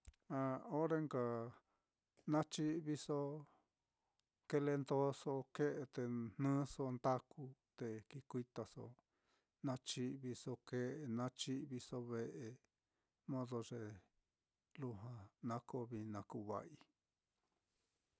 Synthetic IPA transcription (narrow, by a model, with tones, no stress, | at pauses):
a˧o˦ɾe˧ŋɡa˨ | nã˦t͡ʃi˦βi˧so˧ | ke˧le˧nd̪o˧˦so˧ke˦ʔe˧t̪e˧nnɨ̃ː˦so˧nd̪a˦kʰu˧t̪e˧ki˧kʷi˦t̪a˧so̰˧ | nã˧t͡ʃi˦βi˧so˧ke˦ʔe˧nã˦t͡ʃi˦βi˧so˧βe˧ʔe˧ | mõ˦ðo˧ʐe˧˨ | lu˧ɦã˧nã˦ko˧βi˧nã˧ku˧βa̰˧ʔi˧